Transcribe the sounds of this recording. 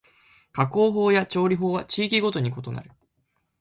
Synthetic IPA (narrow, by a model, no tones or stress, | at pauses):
kako̞ːɦo̞ːjat͡ɕo̞ːɾʲiɦo̞ːβat͡ɕiːkʲiɡo̞t̪o̞ɲ̟iko̞t̪o̞na̰ɾɯ̟